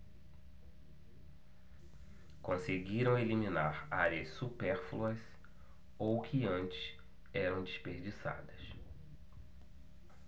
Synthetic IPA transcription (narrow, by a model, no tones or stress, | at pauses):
kõseɡiɾɐ̃w̃elimĩnaɾaɾjɐssupɛɾfluɐs | owkʰɪɐ̃nt͡ʃɪ̥s | ɛɾɐ̃w̃d͡ʒɪspeɾd͡ʒisa̰d̪ɐs